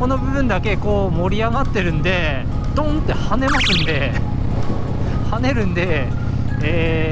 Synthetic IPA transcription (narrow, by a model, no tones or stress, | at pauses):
ko̞no̞bɯ̟bɯ̟̃nd̪ake̞ko̞ːmo̞ɾʲiaɡat̪ːe̞ɾɯ̟̃nd̪e̞ | d̪̥õ̞nt̪ːe̞hane̞masɨ̃nd̪e̞ | hane̞ɾɯ̟̃nd̪e̞ | eː